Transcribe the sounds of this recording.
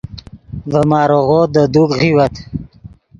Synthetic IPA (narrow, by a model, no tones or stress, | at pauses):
vəmɑːɾoɣod̪əd̪ukɣiwat̪